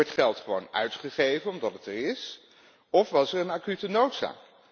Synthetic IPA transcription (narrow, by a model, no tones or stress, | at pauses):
ɔɹtχɛlˠtχəʋownœ̰ɥtχəχejvənɔmdɑtətəɹɪs | ɔfʋɑsɛɹənaːkytənowtsa̰ːk